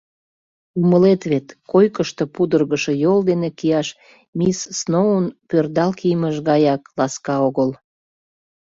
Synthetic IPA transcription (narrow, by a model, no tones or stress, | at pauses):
uməlet̪βet̪kojkəʃt̪əpud̪ərɣəʃəjold̪enekiɑʃ | misːnounpørd̪ɑlkijməʃɣɑjɑklɑskɑoɣəl